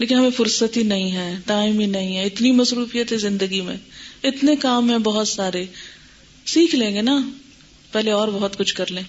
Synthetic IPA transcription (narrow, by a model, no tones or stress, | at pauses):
leːkɪnɦɐmẽfʊɾsət̪ɦinɐɦĩɦɛːʈaːɪminɐɦĩɦɛɪt̪nimɐsɾuːfijət̪ɦɛzɪ̃nd̪əɡimḛ̃ɪt̪nekaːmɦɛ̃bɐɦʊt̪saːɾe | siːkʰlẽːŋɡena | pɛɦleɔːɾbɐɦʊt̪kʊt͡ʃʰkɐɾlẽː